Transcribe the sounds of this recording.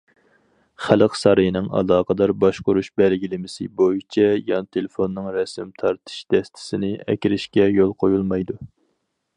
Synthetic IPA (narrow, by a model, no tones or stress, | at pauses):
χæləqsɑɾɨjinɪŋɑ̰lˠɑːqəd̪ɑɾbɑʃqoɾuʃbɛlɡʲilɪmɪsɪ̰bojit͡ʃʰɛjɑnɨt̪ʰelɪfonːɨŋɾɛsɪmt̪ʰɑɾt̪ʰɨ̥ʃd̪̥ɛst̪ʰɪ̥sɪnɪɛ̰kʲiɾɪʃkʲɛjolˠqʰojulˠmɑjd̪u